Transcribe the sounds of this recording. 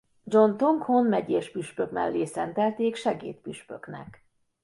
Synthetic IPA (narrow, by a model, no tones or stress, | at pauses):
d͡ʒo̞nt̪oŋkhonmɛɟeːʃpyʃpøkmɛ̰lːeːsɛnt̪ɛlt̪eːkʃɛɡḛːt̪pyʃpø̞̰knɛ̰k